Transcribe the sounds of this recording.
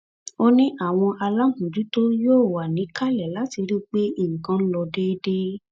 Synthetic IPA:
o˦nĩ˦ʔa˦˨w̃ɔ̃˧ʔa˧la˦mũ˨d͡ʒu˨˦to˦joː˦˨wa˨nĩ˨˦ka˦˨lɛ˨la˨˦ti˧ɾi˦k͡pe˦i˦˨ŋ̩˨kã˧˦n̩˦lɔ˧de˦de˦

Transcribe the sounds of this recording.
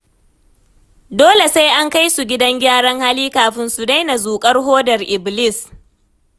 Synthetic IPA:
doː˦le˨sa˦jʔa˦ŋka˦jsu˨ɡʲɪ˦dɐ˦ŋɡʲaː˦ɽɐ˦ŋhaː˦liː˦kaː˨ɸɪ˦nsu˨da˦jna˨zuː˨kʼɐ˦rɦoː˦dɐ˨rʔɪ˨blɪ˦˨s

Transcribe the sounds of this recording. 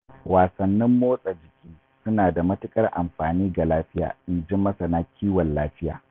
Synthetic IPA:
waː˨sɐ˨nːɪ˦mːoː˦sʼa˨d͡ʒɪ˨kʲiː˦ | sʊ˦naː˨da˨mɐ˦tɪ˦kʼɐ˦rʔa̰˨mɸaː˨niː˦ɡa˨laː˦ɸɪ˦ja̰ː˨ʔɪ˨nd͡ʒɪ˦mːɐ˦sɐ˨na˦kʲʰiː˦wɔ˨nlaː˦ɸɪ˦ja̰ː˨

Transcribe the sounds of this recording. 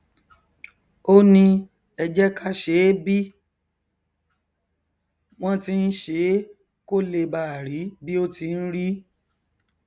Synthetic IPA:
o˦nĩ˧ | ɛ˧d͡ʒɛ˦ka˦ʃe˨˦bi˦ | w̃ɔ̃˦ti˧n̩˦ʃe˨˦ | ko˦le˧ba˦˨ɾi˨˦bi˦o˦ti˧n̩˦ɾi˦

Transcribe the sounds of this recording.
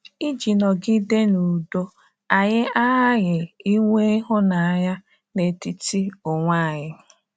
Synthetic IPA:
i˦d͡ʒi˨nɔ˨ɡi˦de˦nu˨do˦ | a˨ɲɪ˦a˦ɦa˦ɣɪ˨i˦ŋʷe˦i˦ɦʊ˦na˨ɲa˦ | ne˨ti˦ti˦ʊ˨ŋʷa˦˨ɲɪ˨

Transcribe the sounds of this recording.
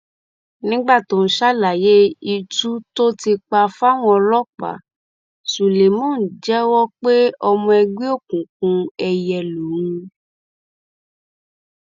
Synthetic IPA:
nĩ˦ɡ͡ba˦˨tõ˨˦˨ʃa˦la˨je˨˦i˧tu˦to˦ti˧k͡pa˧fa˦w̃ɔ̃˧ɔ˧lɔ˦k͡pa̰˨ | su˨le˨mõ˦˨n̩˨d͡ʒɛ˦wɔ˦k͡pe˦ɔ˧mɔ̃˧ɛ˧ɡ͡bi˦o˦˨kũ˨k̚ũ˧ɛ˧jɛ˧lu˨ũ˧

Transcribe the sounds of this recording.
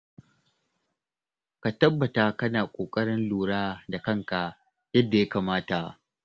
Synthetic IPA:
ka˨tɐ˦bːɐ˨ta˦kɐ˦naː˨kʷʼoː˨kʼɐ˦ɽɪ˦nluː˨ɽaː˦da˨kɐ˦ŋka˨ | jɐ˦dːa˨ja˦kaː˨maː˦ta˨ʔ

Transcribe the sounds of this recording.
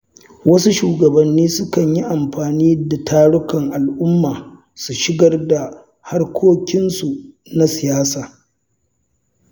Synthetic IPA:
wɐ˦su˦ʃuː˨ɡɐ˨bɐ˨nːiː˦sʊ˦kɐ˨ɲji˦ʔa˨mɸaː˨niː˦da˨tʰaː˦ɽʊ˦kɐ˨ŋʔa˨lʔʊ˦mːaː˨ | su˨ʃɪ˦ɡɐ˦rda˨ | ha˦rkʷʰoː˦kʲɪ˦nsu˨ | na˦sɪ˨jaː˦saː˨

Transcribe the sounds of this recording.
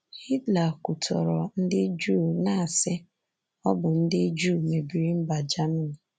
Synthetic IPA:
hi˦tla˨ku˨tʰɔ̰˨ɾɔ˨n̩˦dɪ˦d͡ʒu˦˨na˦a˨sɪ˦ | ɔ˦bʊ˨n̩˦dɪ˦d͡ʒu˦˨me˨bi˨ɾi˦m̩˦ba˨d͡ʒa˦mi˦ni˨

